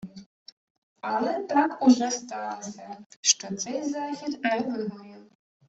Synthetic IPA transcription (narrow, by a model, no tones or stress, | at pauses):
alˠɛt̪akuʐɛst̪ɑlɔsʲɐʃt͡ʃɔt̪sɛjzaxʲit̪najʋɪɦɔju